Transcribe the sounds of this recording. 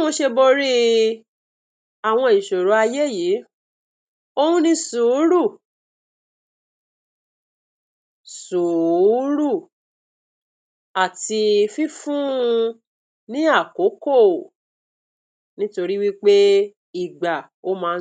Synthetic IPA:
ɔ̃˧ʃe˧bo˧ɾi˦ | a˨w̃ɔ̃˧i˨ʃo˨ɾo˨˦a˧je˦ji˨˦ | o˧hũ˦nĩ˧su˨˦ɾu˦˨ | su˨˦ɾu˦˨ | a˨ti˧fi˦fũ˦˧ | nĩ˦a˦˨ko˨˦ko˦˨ | nĩ˦to˧ɾi˦wi˦k͡pe˦ | i˦˨ɡ͡ba˨ | o˦mãː˦˧˦

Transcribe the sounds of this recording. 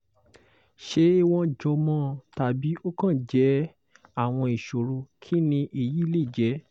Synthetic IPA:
ʃe˧˦i˧w̃ɔ̃˧d͡ʒɔ˧mɔ̃ː˦˨ta˨˧bi˨˦o˦kã˦˨d͡ʒɛ˨˦ | a˦˨w̃ɔ̃˧i˨ʃo˨ɾo˧kʰi˦nĩ˧ʔi˦˨ji˨˦le˦˨d͡ʒɛ˨˦

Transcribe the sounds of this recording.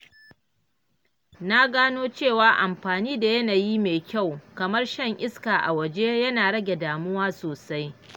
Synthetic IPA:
na˦ɡaː˦noː˦t͡ʃeː˦˨waː˨˦ʔa˨mɸaː˨niː˦da˨jɐ˦naː˨ji˦meː˨kʲa˦˨wkɐ˨mɐ˦rʃɐ˦˨ŋʔɪ˦skaː˨ʔa̰˨wɐ˨d͡ʒe˦jɐ˦naː˨ɽɐ˦ɡʲe˨daː˨mʊ˦waː˦soː˨sa˦j

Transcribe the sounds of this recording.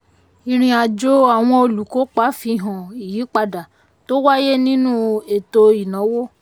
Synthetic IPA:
i˨ɾ̃ĩ˧a˨d͡ʒo˦a˦˨w̃ɔ̃˧o˧lu˨ko˨˦k͡pa˨˦fi˧˨ɦã˨i˨jiː˨˦k͡pa˧da˨ | to˦wa˦je˦nĩ˦nũ˦e˨to˧i˨nã˨˦wo˦

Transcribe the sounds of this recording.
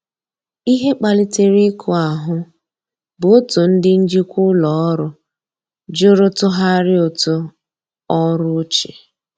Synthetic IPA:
i˦ɦe˦k͡pa˨li˦te˦ɾi˦kʰʊ˨a˨ɦʊ˦ | bʊ˨o˦tʊ˨n̩˦dɪ˦n̩˦d͡ʒi˦kʷʊ˦lɔ˨˦ɔ˦ɾʊ˦ | d͡ʒʊ˦ɾʊ˦tʊ˦ɦa˦ɾɪ˦o˨tʊ˦ | ɔ˦ɾʊ˦t͡ʃḭ˨

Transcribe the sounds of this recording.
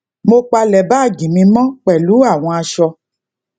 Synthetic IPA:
mo˧k͡pa˧lɛ˨ba˦˨ɡĩ˨mĩ˧mɔ̃˦k͡pɛ˨lu˨˦a˦˨w̃ɔ̃˧a˧ʃɔ˧

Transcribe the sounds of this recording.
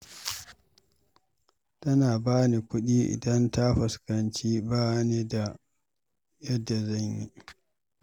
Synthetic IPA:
tɐ˦naː˨baː˦ni˨kʷʊ˦ɗiː˦ʔɪ̰˨dɐ˦nta˦ɸɐ˨skɐ˨nt͡ʃiː˦baː˦neː˦da˨ | jɐ˦dːa˨zɐ˦˨ɲjḭ˦

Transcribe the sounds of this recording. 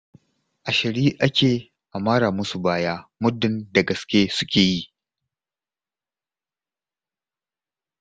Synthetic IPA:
ʔa˨ʃɪ˨ɾiː˦ʔa˦kʲeː˨ | ʔa˨maː˦ɾaː˨mʊ˦su˨baː˦jaː˦mʊ˦dɪ˦nda˨ɡɐ˨skʲeː˦sʊ˦kʲeː˨ji˦ʔ

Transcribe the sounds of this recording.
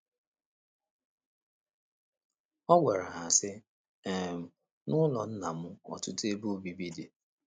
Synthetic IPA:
ɔ˦ɡʷe˨ɾa˨ɦa˨sɪ˦ | e˨m̩˨ | nʊ˦lɔ˨n̩˦na˨mʊ˦ɔ̰˨tʊ˦te˦bu˦˨bi˦bi˦di˨

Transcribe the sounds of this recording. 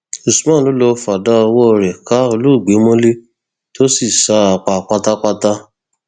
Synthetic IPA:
u˨su˨mã˦˨lo˨˦lo˧˦fa˨da˦o˧wɔ˦˧ɾɛ˨ka˦o˧lu˦˨ɡ͡be˨˦mõ˦le˦ | to˦si˦˨sa˦a˧˨k͡pa˧˨k͡pa˦ta˦k͡pa˦ta˦

